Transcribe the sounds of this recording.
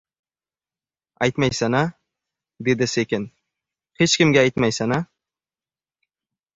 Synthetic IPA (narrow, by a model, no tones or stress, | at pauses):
ajt̪majsana | d̪e̞d̪ɪsekʲen | het͡ʃkʲɪmɡʲaajt̪majsana